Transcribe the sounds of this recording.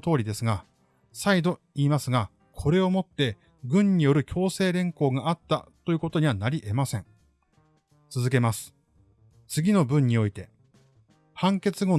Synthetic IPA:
t̪o̞ːɾʲid̪e̞sɨɡa | said̪o̞ | iːmasɨɡa | kʰo̞ɾe̞o̞mo̞t̪ːe̞ | ɡɯ̟̃ɲ̟ɲːijo̞ɾɯ̟kʲo̞ːse̞ːɾẽ̞ŋko̞ːɡaʔat̪ːa̰t̪o̞jɯ̟ko̞t̪o̞ɲ̟iβanaɾʲiʔe̞masẽ̞ɴ | t͡sɨzɨk̬e̞masɨ̥ | t͡sɨɡʲino̞bɯ̟̃ɲ̟ːio̞it̪e̞ | hãŋke̞t͡sɨɡo̞

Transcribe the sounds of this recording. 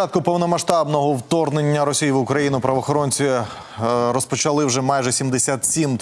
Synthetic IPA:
pɑt̪kʊpɔwnɔmɐʃt̪ɑbnɔɦɔwt̪ɔrnenʲːɐɾɔsʲijiʋʊkɾɐjinʊpɾɐʋɔxɔɾɔnʲt͡sʲi | ɾɔspɔt͡ʃɐlˠɪwʒɛmɑjʒɛsʲimd̪esʲat̪sʲim

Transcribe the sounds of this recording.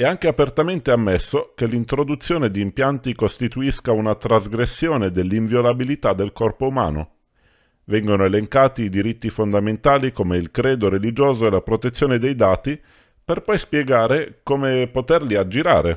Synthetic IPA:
ɛaŋk̟eapert̪ament̪eamːesːokelːint̪ɾod̪ut̪sːjoːned̪iːmpjant̪ikost̪it̪uiskaunat̪ɾazɡɾesːjoːned̪elːiɱvjolabilit̪ad̪ːelkɔrpouma̰ːno̰ | vɛŋɡonoeleŋkaːt̪iːd̪iɾit̪ːifond̪ament̪aːlikomeilkɾɛːd̪oɾelid͡ʒoːzoelapɾot̪et̪sːjoːned̪ejd̪aːt̪i | perpɔjspjɛɡaːɾekomepot̪erliad͡ʒːiɾa̰ːɾe

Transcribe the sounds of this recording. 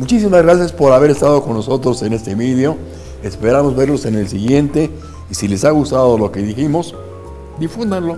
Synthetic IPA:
mut͡ʃisimazɣɾasjaspo̞ɾaβe̞ɾe̞st̪aðo̞ko̞nːo̞so̞t̪ɾo̞se̞ne̞st̪e̞βiðjo̞ | espe̞ɾamo̞zβe̞ɾlo̞se̞nelsiɣje̞nt̪e̞ | isile̞saɣust̪aðo̞lo̞ke̞ðiximo̞s | d̪ifund̪anlo̞

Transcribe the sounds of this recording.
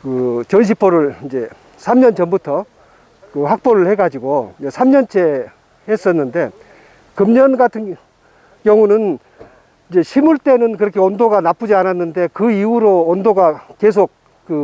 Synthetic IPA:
kɯt͡ɕʌnɕ̬ʰip͈ʰoɾɯɭind͡ʑe̞ | sʰamɲʌnt͡ɕʌmbutʰʌ | kɯhak̚p͈oɾɯɭheɡad͡ʑiɡoid͡ʑesʰamɲʌnt͡ɕʰe̞ | hes͈ʌnːɯnde̞ | kɯmɲʌnɡatʰɯn | kjʌŋunɯn | ind͡ʑe̞ɕʰimuɭt͈e̞nɯnkɯɾʌkʰe̞ondoɡanap͈ud͡ʑiananːɯnde̞kɯiuɾoːndoɡakes̬ʰok͈̚ː | ɯ

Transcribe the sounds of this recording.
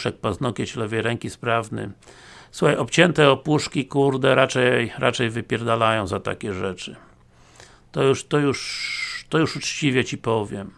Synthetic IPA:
ʂɛk̚paznɔkʲɛɕlɛvɛjɾɛŋkʲispɾavnɘ̰ | suxajɔpt͡ɕɛnt̪ɛɔpuʂkʲikuɾd̪ɛɾat͡ʂɛjɾʔa̰t͡ʂɛjvɘpʲjɛɾd̪alajɔ̃w̃zat̪a̰kʲɛʐɛt͡ʂɘ | t̪ɔjuʂt̪ɔjuʂt̪ɔjuʂut͡ʂt͡ɕivʲjɛt͡ɕipɔvʲjɛm

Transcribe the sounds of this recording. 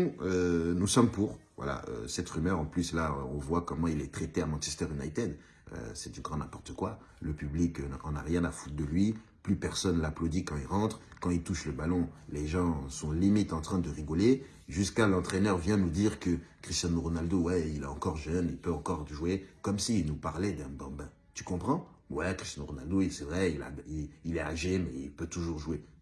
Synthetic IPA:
ɔ̃ønusɔmpuʁvwa̰la̰ø̰sɛt̪ʁymœʁɑ̃plyslaø̰ɔ̃vwakɔmɑ̃ilɛt̪χet̪eamɑ̃t͡ʃɛst̪ɛʁynajt̪ed̪ | ø̰sɛd̪yɡʁɑ̃nɛ̃pɔʁt̪əkwa | ləpyblikɑ̃na̰ʁjɛ̃nafut̪̚d̪əlɥi | plypɛʁsɔnlaplod̪ikɑ̃ilʁɑ̃t̪χkɑ̃ilt̪uʃləbalɔ̃leʒɑ̃sɔ̃limit̪ɑ̃t̪χɛ̃d̪əʁiɡɔle | ʒyskalɑ̃t̪χɛnœʁvjɛ̃nud̪iʁkəkχist̪jɑnoʁɔnald̪owɛilɛɑ̃kɔʁʒœnilpøɑ̃kɔʁʒuekɔmsiːlnupaʁlɛd̪ɛ̃bɑ̃bɛ̃ | t̪y̥kɔ̃pχɑ̃ | wɛkχist̪jɑnoʁɔnald̪oisɛvʁɛila̰iilɛaʒemɛḭlpøt̪uʒuʁʒue

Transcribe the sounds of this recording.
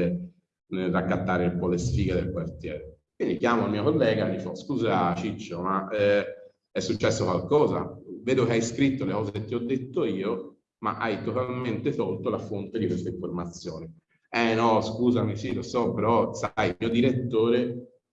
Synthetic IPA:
e | nerakːat̪ːaːɾeumpɔlesfiːɡed̪elkwart̪jɛːɾe | kwind̪ikjaːmoalmiːokolːɛːɡanifɔskuːzat͡ʃit͡ʃːomaɛ | ɛsːut͡ʃːɛsːokwalkɔːza̰veːd̪okeajskɾit̪ːolekɔːzeket̪ːiɔd̪ːet̪ːoiːo | ma̰ʔajt̪ot̪alment̪et̪ɔlt̪olafont̪ed̪ikwest̪eiɱformat̪sjoːni | ɛnɔskuːzamisilosɔpeɾɔsajmiod̪iɾet̪ːoːɾe

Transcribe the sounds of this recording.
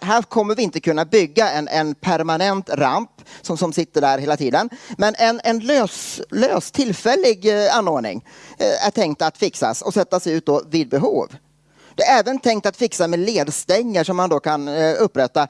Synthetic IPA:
ɦæːɾkʰɔmːəɾvɪɪnt̪əkʰɵnːabʏɡːaɛnʔɛnpʰæɾmanɛnt̪ɾa̰mpsɔmsɔmsɪt̪ːəɖæːɾɦeːlat̪ʰiːd̪ənmɛnʔɛnɛnløːsløːst̪ʰɪlfɛlːɪɡanːoːɖɳɪ̰ŋæ̰ʈʰɛŋk̚t̪at̪fɪksa̰sɔsɛt̪ːasɛjʉ̟ːt̪̚d̪ɔvɪd̪̚bɛɦṵːv | d̪̥ɛæɾɛːvənt̪ʰɛŋk̚t̪at̪fɪksamɛleːd̪st̪ɛŋːəʂɔmːand̪oːkʰanɵpːɾɛt̪ːa

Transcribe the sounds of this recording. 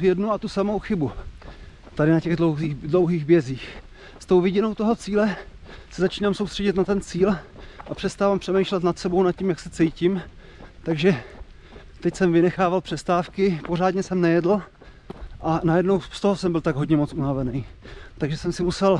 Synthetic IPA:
vjɛdnuat̪usamo̞wxɪbu | t̪aɾɪnacɛɣdlowiːdlo̞wɦiːɣbjɛziːx | st̪o̞wvɪɟɪno̞wt̪o̞ɦot͡siːlɛ | sɛzat͡ʃiːnaːmso̞wstr̥ɛɟɪt̪nat̪ɛnt͡siːlʔapr̝̥ɛst̪aːvampr̝̥ɛmɛjʃlɛt̪nat̪sɛbownat̪̚cimjaksɛt͡sɛjcɪm | t̪aɡʒɛ | t̪ɛcsɛmvɪnɛxaːvalpr̝̥ɛst̪aːfkɪpo̞ɾaːdɲɛsɛmnɛjɛdl̩ | ʔanajɛdno̞wst̪oɦosɛmbɪlt̪aɡɦo̞dɲɛmo̞t͡sʔunavɛnɛjt̪aɡʒɛsɛmsɪmusɛl

